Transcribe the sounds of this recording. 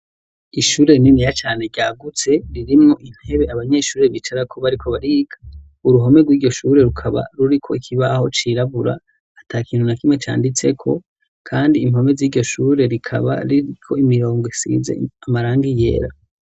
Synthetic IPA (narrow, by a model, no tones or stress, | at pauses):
iʃuːɾe̞ninijat͡ʃaːne̞ɟaːɡut͡se̞ɾiɾimŋo̞ʔin̥he̞βe̞aβaɲe̞ʃuːɾe̞βit͡ʃaɾakʰo̞βaɾikʰo̞βaɾiːɡ̥ḁ | uɾuɦo̞me̞ɡwiːɟo̞ʃuɾeɾukʰaβa̰ɾuɾikʰo̞̰ikʰiβaho̞t͡ʃiɾaβuɾa̰ː | tʰakiːnhunakimŋe̞t͡ʃa̰ːndit͡se̞kʰo̞ | kʰaːndiːm̥ho̞me̞ziːɟo̞ʃuːɾe̞ɾikʰa̰βa̰ɾiɾikʰo̞imiɾo̞ːŋɡesḭze̞̰amaɾaːŋɡije̞̰ːɾa